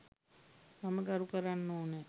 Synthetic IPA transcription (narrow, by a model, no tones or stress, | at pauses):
maməɡaɾukəɾanːoːne